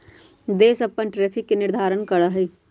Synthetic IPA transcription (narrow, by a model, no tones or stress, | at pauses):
d̪eːsɐpːənʈɾeːpʰɪkːenɪɾd̪ʱaːɾənkɐɾaɦɛ